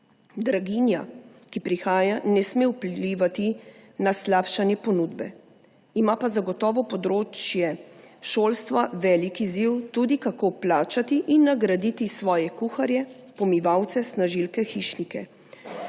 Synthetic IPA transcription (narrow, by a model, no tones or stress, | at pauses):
d̪ɾaɡinja | kipɾixaːjanɛsmewpliːʋat̪inaslapʃanjɛpɔnud̪bɛ | imapazaɡɔt̪ɔːʋɔpɔd̪ɾoːt͡ʃjɛʃoːlst̪ʋaʋɛlikiziwt̪uːd̪ikakoplaːt͡ʃat̪iʔinːaɡɾad̪iːt̪isʋɔːjɛkuxaɾjɛ | pɔmiʋawt̪sɛsnaʒilkɛxiʃnikɛ